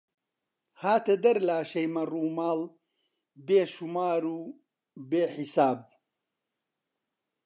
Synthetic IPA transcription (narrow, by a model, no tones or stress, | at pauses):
haːt̪ɐd̪ɐɾlaːʃɐjmɐruːmaːl | beːʃumaːɾuː | beːħisaːb̚